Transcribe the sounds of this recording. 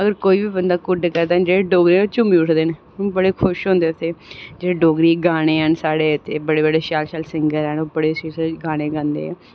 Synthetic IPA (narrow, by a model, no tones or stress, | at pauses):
əɡəɾkoːiːʋiːbənd̪aːkʊɖkəɾd̪aːd͡ʒeːɽeːɖoːɡɾiːoːt͡ʃʊmiʊʈʰd̪eːn | bəɽeːkʰʊʃɦõːnd̪eːʊt̪ʰːeːd͡ʒeːeɖoːɡɾiːɡaːɽ̃eːɦənsaːɽeːt̪ʰːeːbəɽeːbəɖeːʃaːlʃaːlsɪŋɡəɾɛːnoːbəɽeːsiːseɡaːɽ̃eːɡãːnd̪ḛːɛː